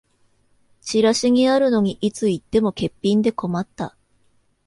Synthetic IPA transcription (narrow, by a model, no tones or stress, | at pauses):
t͡ɕiɾaɕiɲ̟iaɾɯ̟no̞ɲ̟iʔit͡sɨit̪ːe̞mo̞ke̞pʲːĩnd̪e̞ko̞mat̪ːa̰